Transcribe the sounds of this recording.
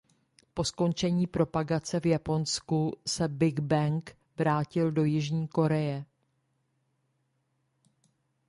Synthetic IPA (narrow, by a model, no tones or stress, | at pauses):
po̞sko̞nt͡ʃɛɲiːpɾo̞paɡat͡sɛvjapo̞nskusɛbɪɡbɛŋk | vɾaːcɪldo̞jɪʒɲiːko̞ɾɛjɛ